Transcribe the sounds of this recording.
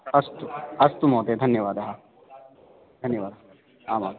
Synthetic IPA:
ɐst̪uɐst̪umoːt̪ed̪ʱɐnjɐʋaːd̪ɐɦɐ | d̪ʱɐnjɐʋaːd̪ɐɦɐ | aːmaː

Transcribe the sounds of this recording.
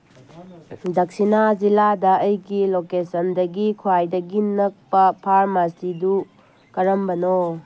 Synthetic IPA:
dɐk̚sinad͡ʒiladɐɐjɡilokesɐndɐɡikʰwajdɐɡinɐk̚pɐpʰaɾmasidu | kɐɾɐmbɐno

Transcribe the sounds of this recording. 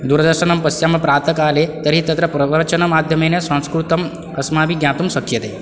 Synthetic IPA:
d̪uɾd̪əɾʃənɐmpɐsjamɐpɾaːt̪əkaːlet̪ɐɾit̪ɐt̪ɾəpɾɐʋəɾt͡ʃɐnɐmaːd̪ʱjɐmenesɐ̃ñskɾut̪ɐm | ɐsmaːbiɡjãːt̪umʃɐkʰjɐt̪e

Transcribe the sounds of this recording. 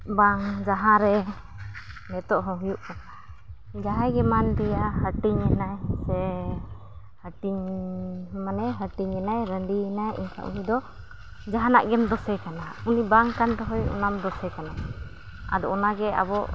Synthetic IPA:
baŋd͡ʒaɦãɾɛ | nɛt̪ɔʔɦɔ̃ɦujuʔkɔna | d͡ʒaɦajɡɛmandijahəʈiɲɛnajsɛ | həʈiɲ | manɛɦəʈiɲɛnajɾəɳɖiɛnajʔḭɲkʰa̰ʔṵnid̪ɔ | d͡ʒaɦana̰ʔɡɛmd̪ɔsɛkanaunibaŋkand̪ɔɦɔjṵnamd̪ɔsɛkana | a̰d̪ɔɔnaɡɛa̰bɔ

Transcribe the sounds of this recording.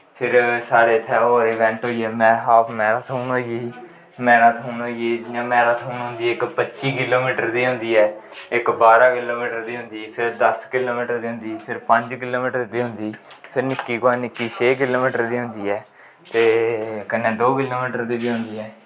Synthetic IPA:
pʰɪɾsaːɾeːt̪ʰɛːoːɾeːʋɛ̃ːɳʈɦoːiːɛːmɛ̃ːɦaːpʰmɛːɾaːt̪ʰuːnoːd͡ʒiː | mɛ̃ːɾaːt̪ʰuːnoːeːd͡ʒɪãːmɛːɾaːt̪ʰuːnɦʊ̃nd̪iːɛːɪkpətːʃiːkɪloːmiːʈəɾd̪iːɦʊ̃nd̪iːɛːɪkbaːɾaːkɪloːmiːʈəɾd̪iːɦʊ̃nd̪iːpʰɪɾd̪əskɪloːmiːʈəɾd̪iːɦnd̪iːpʰɪɾpəɲd͡ʒkɪloːmiːʈəɾd̪iːɦʊ̃nd̪iːpʰɪɾnɪkːiːkãːnɪkːiːt͡ʃʰeːk̬ɪloːmiːʈəɾd̪iːɦʊ̃nd̪iːɛː | t̪eːkənːẽːd̪oːkɪloːmiːʈəɾd̪iːbiːɦʊ̃nd̪iːɛː

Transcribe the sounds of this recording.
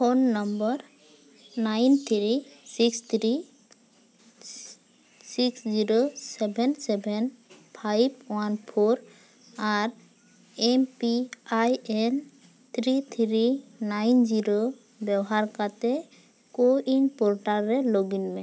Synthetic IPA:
pʰonːɔmbɔɾ | najnt̪ʰɾisikst̪ʰɾi | siksziɾosɛbʱɛnsɛbʱɛnpʰajbwanpʰoɾ | aɾ | empiajɛn | t̪ʰɾit̪ʰɾinajnd͡ʒiɾo | bjɛbɔɦaɾkat̪ɛ | koʔinpolʈaɾɛloɡinmɛ

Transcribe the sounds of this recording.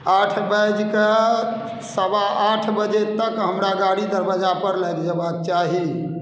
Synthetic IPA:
aʈʰbəd͡ʒke | səbaaʈʰbəd͡ʒet̪ːəkɦəmɾaɡaɽid̪əɾbəd͡ʒapəɾlɛt̪d͡ʒəbab̚t͡ʃaɦi

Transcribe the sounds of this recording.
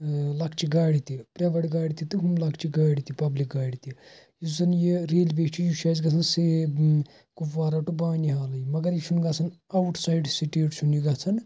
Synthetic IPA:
lɐkʰt͡ʃʰiɡaːɽit̪ipɾʲɐʋɐɽɡaːɽit̪it̪ɨɦumlɐkʰt͡ʃiɡaːɽit̪ipɐblik̚ɡaːɽit̪i | jisɐnjiɾeːlbeːkt͡ʃʰijuʃaːzɡɐt͡sʰɐnse | kuʋaːɾɐʈubaːniɦaːlɐjimɐɡɐɾiʃʰunɡɐt͡sʰɐn | ɐwʈʰsajɖsiʈeːʈsʰuniɡɐt͡sʰɐn

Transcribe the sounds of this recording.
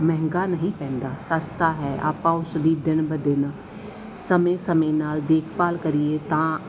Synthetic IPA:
mɛ̃ɦŋɡaːnəɦĩːpɛ̃ːnd̪aːsəst̪aːɦɛːʔa̰ːpãːʊsd̪iːd̪ɪnbəd̪ɪn | səmẽːsəmẽːnaːld̪eːkʰpaːlkəɾieːt̪ãː

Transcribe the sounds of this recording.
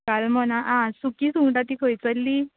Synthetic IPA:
kalmɔnaʔãsukiːsuʈat̪ikʰojt͡səlːiː

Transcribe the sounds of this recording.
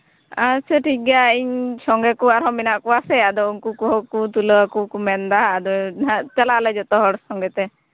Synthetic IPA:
asəʈʰiɡaiɲsɔŋɡɛkuaɾɦɔ̃minaʔkuasɛad̪ɔunkukuɦɔkut̪uləakukumɛnd̪aːd̪ɔat͡ʃalaʔləd͡ʒɔt̪ɔɦɔɽsɔŋɡɛt̪ɛ

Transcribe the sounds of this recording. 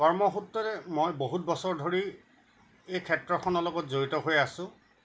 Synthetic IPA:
kɔɹmɔxutːɔtɛmojboɦut̚bɔsɔɹdʱoɹi | ejkʰɛtɹɔkʰɔnɔlɔɡɔtzoɹitɔɦojasʊ̃

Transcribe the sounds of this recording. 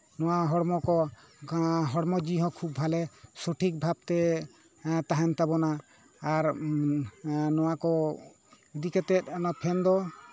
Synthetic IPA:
nɔwaɦɔɽmɔkɔ | ɦɔɽmɔd͡ʒiɦɔ̃kʰub̚bʱalɛsoʈʰik̚bʱab̚t̪ɛ | t̪aɦɛnt̪abɔnaː | ɾ | nɔwakɔ | id̪ikɛt̪ɛt̪̚ɔnɔpʰɛnd̪ɔ

